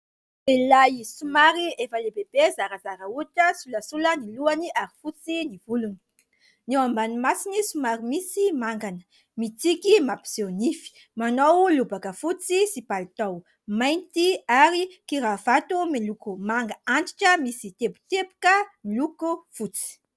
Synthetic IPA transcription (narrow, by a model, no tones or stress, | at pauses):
elajsumaɾiefəlebeb̥ezaɾəzaɾəuʈ͡ʂəsuləsuləniluaniaɾifut͡sinivuluni̥ | newambanimasinisumaɾimisimaŋɡanə̥ | mit͡sikimapi̥z̥ewnifi̥ | manowlubakəfut͡sisipalit̪aw | majnt̪iaɾikiɾavat̪umilukumaŋɡəaɳʈ͡ʂi̥ʈ͡ʂəmisit̪ebu̥t̪epu̥kəmilukufut͡si̥